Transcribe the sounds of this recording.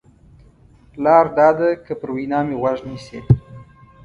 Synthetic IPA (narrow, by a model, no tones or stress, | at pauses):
lɑɾd̪ɑd̪akəpəɾwinɑmewaʒnise